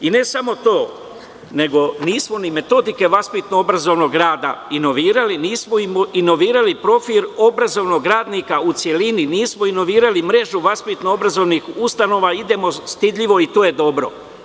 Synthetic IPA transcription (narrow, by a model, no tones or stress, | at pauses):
ine̞samo̞t̪o̞ː | ne̞ɡo̞niːsmo̞nime̞t̪o̞d̪ike̞ʋaspit̪noobɾazo̞ʋno̞ɡɾaːd̪ainoʋiːɾaliniːsmoimoino̞ʋiːɾalipɾo̞filobɾazo̞ʋno̞ɡɾaːd̪nikaut̪sje̞lininiːsmoino̞ʋiːɾalimɾe̞ʒuʋaspit̪noobɾazo̞ʋnixust̪ano̞ːʋaid̪e̞mo̞st̪id̪ʎiʋo̞it̪oːje̞d̪o̞bɾo̞̰